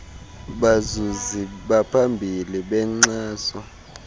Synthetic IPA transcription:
ɓazuziɓapʰambʱiliɓɛŋ͡ǀaːsɔ

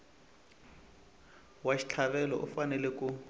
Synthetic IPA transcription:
waʃi̥t͡ɬʰaβɛlɔ̰ʔʊ̰fanɛlɛkʼʊ

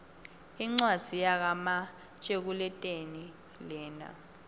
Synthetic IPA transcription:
iŋ͡ǀwad̥z̥ʱijak̬ama | t͡ʃʼek̬ulɛtʼeni | lɛːna̰

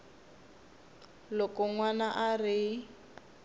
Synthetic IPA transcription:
lɔkɔŋwanaʔari

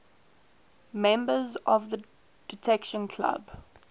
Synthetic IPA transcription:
mɛ̃mbəzɔvðə | d̥ɪtʰɛkʃə̃nkʰla̰b

